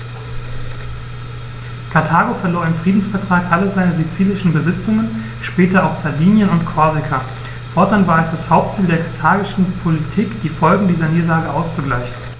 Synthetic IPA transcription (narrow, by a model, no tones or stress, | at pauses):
kʰaɐtʰaːɡofɛɐloːɐɪmfʁ̥iːdn̩sfɛɐtʁ̥aːkʔaləzaɪnəzet͡siːlɪʃn̩bəzɪt͡sʊŋən | ʃpɛːtɐaʊxz̥aɐviːnjənʊntkʰɔɐzɪkʰa | fɔɐtanvaːɐɛsd̥ashaʊp̚tt͡siːldeːɐkʰaɐtʰaːɡɪʃn̩pʰolitʰiːkd̥iːfɔlɡŋ̩diːzɐniːdɐlaːɡəʔaʊst͡suɡlaɪçn̩